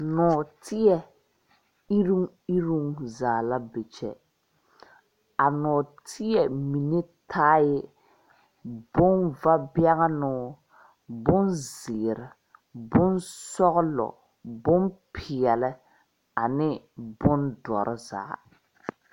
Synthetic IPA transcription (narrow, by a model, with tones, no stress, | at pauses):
nɔː˨tʰɪ˦jɛ˨ | i˦ɾu˦ŋ | i˦ɾu˦ŋzaː˨la˦be˨t͡ʃɛ˦ | a˨nɔː˨tʰɪ˦ɛ˨mi˨ne˦tʰaː˦jɪ˦ | bʊ˦nva˦bja˦ɣa˦nʊː˦ | bʊ˦nzɪː˨ɾɪ˨ | bʊ˦nsɔ˦ɣʊ˦lɔ̰˨ | bʊ˦npʰɪ˨ɛ˨lɪ˦ | a˨nɪ˦ | bʊ˦ndɔ̰˨ɾʔɪ˦za̰ː˨˦